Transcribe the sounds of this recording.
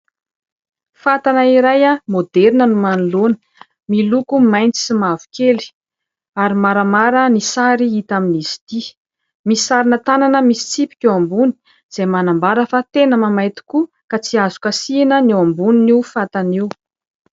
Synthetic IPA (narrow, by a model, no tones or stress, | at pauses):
fat̪anaiɾajamod̪eɾinənumanulonə̥ | milukumajnt͡si̥simavu̥keli̥ | aɾimaɾamaɾənisaɾiit̪aminisi̥t̪i | misisaɾinət̪ananəmisi̥t͡sipi̥kʲuambuni̥ | z̥ejmanambaɾəfat̪enəmamajt̪i̥ku | kat͡siazukəsinəniwambuniniufat̪aniw